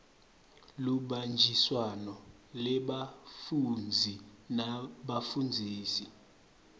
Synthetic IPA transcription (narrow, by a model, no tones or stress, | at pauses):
luɓand͡ʒʱiswanɔ | lɛɓafund͡zʱinaɓafund͡zʱiːsi